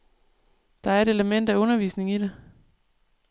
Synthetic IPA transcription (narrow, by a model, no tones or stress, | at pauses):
d̥ɑ̈æɐe̝ɾ̥e̝ləmen̰d̥æɔ̽nɐʋiːsne̝ŋid̥e̝